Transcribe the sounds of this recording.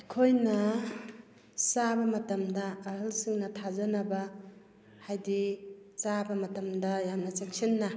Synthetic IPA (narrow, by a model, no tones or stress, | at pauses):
kʰojnɐ | sabɐmɐtɐmdɐːɦɯlsiŋnɐtʰazɐnɐbɐ | hajdisabɐmɐtɐmdɐjamnɐt͡ʃeŋsinːɐ